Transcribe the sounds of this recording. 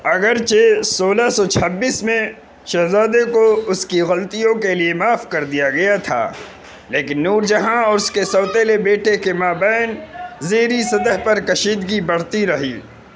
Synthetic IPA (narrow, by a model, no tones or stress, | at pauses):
ɐɡəɾt͡ʃesoːlasɔt͡ʃʰɐbːiːsmẽ | ʃɐɦzaːd̪ekoʊskiɣɐlt̪ijõkeliemaːfkɐɾd̪ijaɡɐjat̪ʰa̰ː | leːkɪnːuːɾd͡ʒɐɦãɔːɾʊskesɔːt̪eːlebeːʈekemaːbɛːɪnzeːɾisɐd̪əɦpɐɾkɐʃiːd̪ɡibɐɽ̤t̪iɾɐɦiː